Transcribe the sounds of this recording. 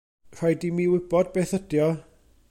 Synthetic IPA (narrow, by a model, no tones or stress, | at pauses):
r̥ajdimiwɪb̥ɔd̚beθəd̥jɔ